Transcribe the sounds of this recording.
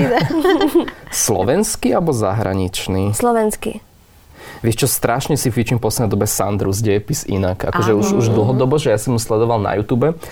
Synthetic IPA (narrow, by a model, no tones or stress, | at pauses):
slɔ̰ʋɛnskialbɔzaɦɾa̰ɲit͡ʃniːslɔʋɛnskḭ | ʋɪɛʃt͡ʃɔst̪ɾaʃɲɛsifit͡ʃimpɔsɲɛd̪ɔbɛsand̪ɾuzɟɛjɛpisḭnaka̰kɔʒɛuʃuʒd̪l̩ˠɦɔd̪ɔbɔʒɛjasimuslɛd̪ɔʋalna̰juːt̪uːbɛ